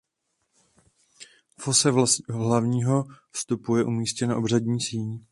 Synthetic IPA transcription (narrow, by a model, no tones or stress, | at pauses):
fo̞sɛɦlavɲiːɦo̞fst̪upujɛʔumiːscɛnaʔobr̝adɲiːsiːn